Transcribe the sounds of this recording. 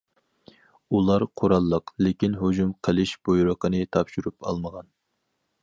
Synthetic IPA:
ulˠɑɾqʰoɾɑlˠːəqlekʲinɦod͡ʒumqʰəlɪʃb̥ojuɾəqənɨt̪ʰɑpʃyɾupɑ̰lˠməʁɑn

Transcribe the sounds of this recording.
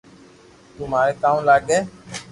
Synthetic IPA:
t̪um̤aːɾeːk̪aːũlaːɡeː

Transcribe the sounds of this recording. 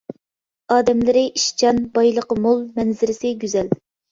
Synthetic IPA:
ɑːd̪ɛmlɪɾɪʔiʃt͡ʃʰɑnbɑjlˠəqəmolˠmɛnzɪɾɪsɪɡʲyzɛl

